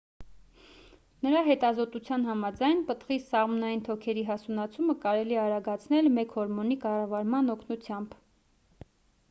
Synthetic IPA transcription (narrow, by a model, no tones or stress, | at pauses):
nəɾɑɦɛt̪ɑzɔt̪ut͡sʰjɑnɦɑmɑd͡zɑjnpət̪ʁisɑʁmɔnɑjint̪ʰɔkʰɛɾiɦɑsunɑt͡sʰuməkɑɾɛliɛɑɾɑɡɑt͡sʰnɛlmɛkʰhɔɾmɔnikɑrɑvɑɾmɑnɔkʰnut͡sʰjɑmb